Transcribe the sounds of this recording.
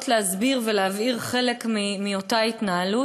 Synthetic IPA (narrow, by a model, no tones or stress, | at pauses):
tleazbiʁveleaviʁχe̞le̞kmimio̞tait̪naalu